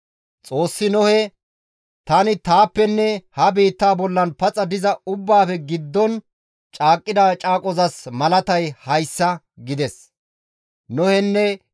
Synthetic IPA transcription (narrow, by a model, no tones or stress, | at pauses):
t͡sʼo̞ːsːɪnɔhɛ | t̪ɐnɪt̪aːpːɛnːɛhɐbiːt̪ːaːbɔlːɐnpɐt͡sʼɐd̪ɪzɐʊbːaːfɛɡɪd̪ːɔn | t͡ʃʼaːkʼːɪd̪at͡ʃʼaːkʼɔzɐsmɐlɐt̪ɐjhɐjsːɐ | ɡɪd̪ɛs | nɔhɛnːɛ